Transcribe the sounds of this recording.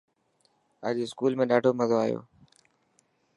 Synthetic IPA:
ə̰ːʄeskuːlmẽːɗaːɖʱoːməzoːaːjo̰ː

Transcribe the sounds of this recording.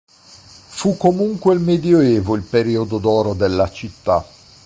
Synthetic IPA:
fukːomuŋkweilmed̪joeːvoilpeɾiːod̪od̪ɔːɾod̪elːat͡ʃit̪ːa

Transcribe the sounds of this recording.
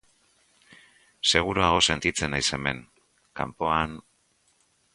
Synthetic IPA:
se̞ɣ̞uɾuaɣ̞o̞se̞nt̪it͡se̞najse̞me̞̰ŋ | ka̰mpo̞an

